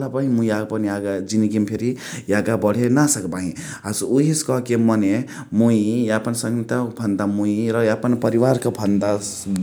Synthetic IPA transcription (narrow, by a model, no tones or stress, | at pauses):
lapaɦĩmũiaɡpʌniaɡad͡ʒiniɡimpʰeɾi | jaɡabʌɽ̤enasʌkbaɦĩ | asuɦiskʌɦkemʌne | muiapənsʌ̃ŋt̪abʱʌnd̪amuiɾʌapənpʌɾiʋaɾkabʱʌnd̪a